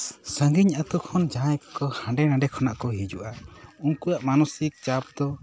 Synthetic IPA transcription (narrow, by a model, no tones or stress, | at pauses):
sə̃ŋɡiɲat̪ukʰɔnd͡ʒãjkḁkɔhãɳɖɛnãɖɛkʰɔna̰ʔkɔɦid͡ʒuʔaunkujaʔmanusik̚t͡ʃap̚d̪ɔ